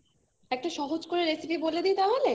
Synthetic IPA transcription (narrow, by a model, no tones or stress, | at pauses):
ɛk̚ʈaʃɔɦod͡ʑkoɾeɾesipiboled̪ijt̪aɦole